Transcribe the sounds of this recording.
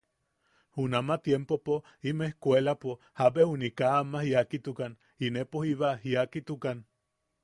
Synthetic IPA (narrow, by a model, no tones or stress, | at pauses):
hunamat̪jempopo | imeehkwelapo | habehunikaːmahiakit̪ukan | inepohiβaɦiakit̪ukan